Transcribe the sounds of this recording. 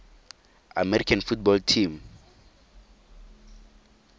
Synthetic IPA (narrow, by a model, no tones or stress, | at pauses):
a̰mɛɾikʰanfut̚bɔltʰim